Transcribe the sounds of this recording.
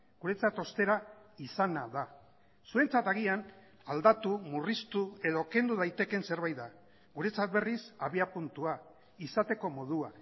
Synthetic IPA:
ɡ̥uɾe̞t͡sat̪o̞st̪e̞ɾa | isanaða | sue̞nt͡sat̪aɣ̞ian | ald̪at̪umurist̪ue̞ðoke̞nd̪uðajt̪e̞ke̞nse̞ɾβajða | ɡuɾe̞t͡sat̪̚βe̞risaβiapunt̪ua | isat̪e̞ko̞mo̞ð̞ua

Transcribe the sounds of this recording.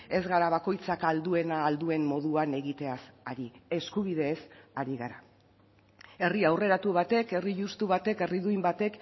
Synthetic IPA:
e̞zɣaɾaβ̞ako̞jt͡sakald̪ue̞naːld̪ue̞mːo̞ð̞uane̞ɣit̪e̞asaɾieskuβ̞iðe̞ːsaɾiɣaɾa | e̞riawre̞ɾat̪uβat̪e̞ke̞riʝust̪uβ̞at̪e̞ke̞riðuijmbat̪e̞k

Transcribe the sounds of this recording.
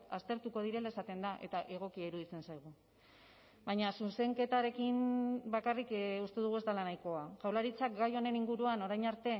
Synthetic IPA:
t̪ast̪e̞ɾt̪uko̞ð̞iɾe̞lae̞sat̪e̞nd̪aʔe̞̰t̪aʔe̞ɣ̞o̞kiaiɾuðit͡se̞nsajɣ̞u | bajɲasuse̞ŋke̞t̪aɾe̞kinbakarikust̪e̞ðuɣ̞ue̞zd̪alanajko̞aʝawlaɾit͡sak̚ɡajo̞ne̞niŋɡuɾuano̞ɾajɲaɾt̪e̞

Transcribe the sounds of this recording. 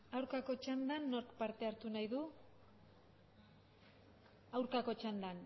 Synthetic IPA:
awɾkako̞t͡ʃand̪anːo̞ɾkpaɾt̪e̞aɾt̪unajðu | awɾkako̞t͡ʃand̪an

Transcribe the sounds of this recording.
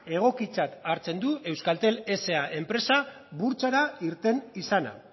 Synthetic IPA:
e̞ɣ̞o̞kit͡sat̪aɾt͡se̞nd̪ue̞wskalt̪e̞le̞se̞aʔe̞mpɾe̞sa | βuɾt͡saɾaiɾt̪e̞nisana̰

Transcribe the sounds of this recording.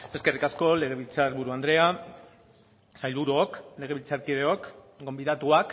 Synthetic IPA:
e̞ske̞rikasko̞le̞ɣ̞e̞β̞ilt͡saɾβuɾuand̪ɾe̞a | sajlβuɾuokle̞ɣ̞e̞βilt͡saɾkið̞eok | ɡo̞mbiðat̪uak

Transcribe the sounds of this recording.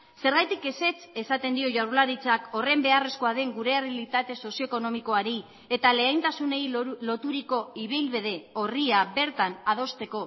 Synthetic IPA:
se̞ɾɣajt̪ike̞se̞t͡se̞sat̪e̞nd̪io̞ʝawɾlaɾit͡sako̞re̞mbe̞are̞sko̞aðe̞ŋɡuɾe̞aβilit̪at̪e̞so̞sio̞eko̞no̞miko̞aɾi | e̞t̪ale̞ajnt̪asune̞jlo̞t̪uɾiko̞iβijlβeð̞e̞o̞riaβe̞ɾt̪anað̞o̞st̪e̞ko̞

